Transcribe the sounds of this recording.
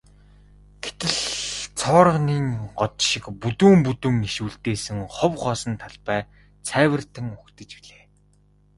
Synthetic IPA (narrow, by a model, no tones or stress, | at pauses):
ɡ̥e̥t̪ɘ̆ɮt͡sʰɔːɾə̆ʁniːŋɢɔt̪ʃɪ̆kput̪uːmput̪ɵ̆ŋiʃuːɮt̪eːsɘ̆ŋχʊwχɔːsɞ̆nt̪ʰaɮpæː | t͡sʰæːwə̆r̥t̪ɘ̆ŋʊkt̪ə̆t͡ɕpiɮeː